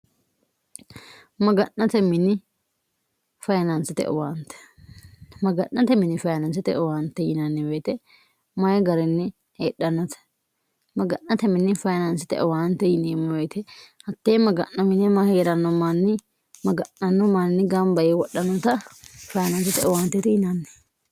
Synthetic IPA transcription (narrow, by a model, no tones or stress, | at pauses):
mɐɡɐnːɐt̪ɛmɪnɪ | fɐjɐnɐnsɪt̪ɛ̰ʔɔ̰waːnt̪ɛ̥ | mɐɡɐnːɐt̪ɛmɪnɪfɐjɐnɐnsɛt̪ɛ̰ʔɔwaːnt̪ːɛjɪnɐnːɪbeːt̪ɛ | mɐjɡɐɾɛnːɪ | eːɗːɐnːɐt̪ɐ̥ | mɐɡɐnːɐt̪ɛmɪnːɪfɐjɐnɐnsɪt̪ɛ̰ʔɔwaːnt̪ːɛjɪnemːɔjɛt̪ɛhɐt̪ːeːmɐɡɐnːɐmɪnɛmɐheːɾɐnːɔmanːɪ | mɐɡɐnːɐnːɔmannɪɡɐmbɐjɛwɔɗɐnɐt̪ɐfɐjɐnɐnsɛt̪ɛɔwaːnt̪ːɛt̪ɛjɪnɐnːɛ̥